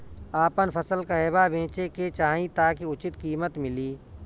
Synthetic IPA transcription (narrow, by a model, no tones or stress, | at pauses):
aːpənpʰəsəlkaeːbabʱẽːt͡ʃeket͡ʃaːĩt̪aːkiʊt͡ʃɪt̪kiːmət̪mɪliː